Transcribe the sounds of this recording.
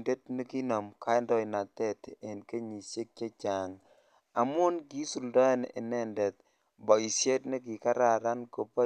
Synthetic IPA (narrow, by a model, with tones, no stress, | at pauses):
nde˦t̚ni˦ki˦no˨mkʰa˦ɛ˦ndɔ˨jna˨tɛ˦te˨nke˦ɲi˨se˦k̚t͡ʃe˦t͡ʃa˨ŋ | a˨mʊ˦nki˦su˨ldɔ˦nḛ˨nɛ˦nde˨t̚ | bɔ˨i˨sje˦tne˦ki˨ka˦ɾa˨ɾa˦nko˨pa˦